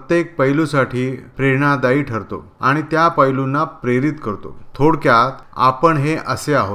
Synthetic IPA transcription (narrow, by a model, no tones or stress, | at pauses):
ət̪jek̚pəjlusaʈʰiːpɾeɳ̃ad̪aiːʈʰəɾt̪o̰ | aɽ̃it̪japəjlunːapɾeɾit̪kəɾt̪o̰t̪ʰoɽkjat̪a̰pəɳɦeʔəseaɦo